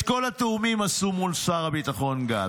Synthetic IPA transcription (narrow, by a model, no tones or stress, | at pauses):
ko̞lat̪eumimasumulsaʁabit̪aχo̞nɡa̰